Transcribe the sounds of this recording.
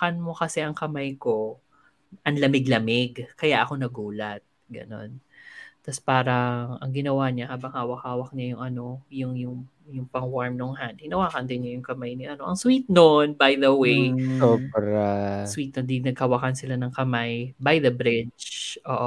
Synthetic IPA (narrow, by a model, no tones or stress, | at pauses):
kanmo̞kɐsɛʔɐŋkɐmajko̞ | ʔɐnlɐmɪɡlɐmɪɡkɐjaʔɐko̞nɐɡuːlɐt̪̚ɡɐ̰no̞̰nt̪ɐspaːɾɐŋʔɐŋɡɪnɐwaɲahaːbɐŋhaːwɐk̚haːwɐk̚ɲajʊŋʔɐno̞jʊŋjʊŋ | jʊŋpɐŋwaɹmnoŋɦand̪̚hɪnɐwaːkɐnd̪ɪnɲajʊŋkɐmajnɪʔɐno̞ʔɐŋswiːt̪̚nonbajd̪ɐwejopɾaswiːt̪̚nond̪inɐɡ̚hɐwakansɪlanɐŋkɐmajbajd̪ɐbɾɪd͡ʒʔoːʔ